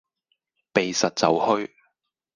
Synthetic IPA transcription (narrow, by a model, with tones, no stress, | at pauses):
pe˨jsɐ˨t̚t͡sɐ˨˧whɵ˥ɥ